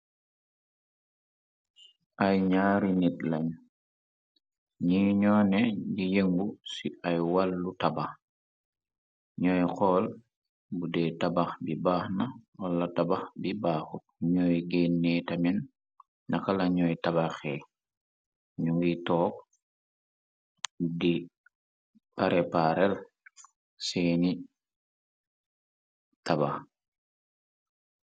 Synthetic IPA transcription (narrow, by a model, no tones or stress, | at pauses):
ajɲaːɾinitlaɲ | ɲiɲɔːneɟijeŋbusiajwalːutabax | ɲɔjxɔl | budetabaxbibaːxnaolːatabaxbibaːxu | ɲojɡenːetamɛnː | akalaɲɔjtabaxe | ɲuŋɡitoːk̚ | di | paɾepaɾel | siːni | tabax